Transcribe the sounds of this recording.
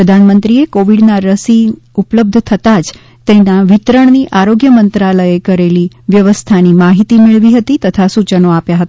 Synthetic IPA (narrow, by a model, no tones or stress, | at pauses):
ɾəd̪ʱanmənt̪ɾiekoʋiɖnaɾəsiupləb̚d̪ʱt̪ʰət̪ad͡ʒ | t̪enaʋit̪ɾəɳniʔaɾoɡjəmənt̪ɾaləekəɾeli | ʋjəʋəst̪ʰanimaɦit̪imeɭʋiɦət̪it̪ət̪ʰasut͡ʃənoapjaɦət̪a